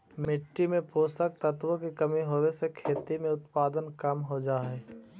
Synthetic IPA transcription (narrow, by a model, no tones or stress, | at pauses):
mɪʈːimẽpoːsək̚t̪ət̪wõkikɐmiɦoːwesekʰeːt̪imẽʊt̪paːd̪ənkɐmɦod͡ʒaːɦeː